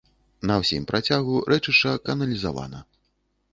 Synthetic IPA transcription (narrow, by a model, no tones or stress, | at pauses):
nɐwsʲimʲpɾat͡sʲaɣuɾʔɛt͡ʂɨʂt͡ʂɐkɐnɐlʲizava̰nɐ